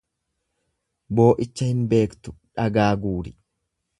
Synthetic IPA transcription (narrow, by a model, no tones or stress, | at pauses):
bo̞ːʔɪt͡ʃːɐhɪnbe̞ːkt̪ʊ̥ᶑɐɡaːɡuːɾɪ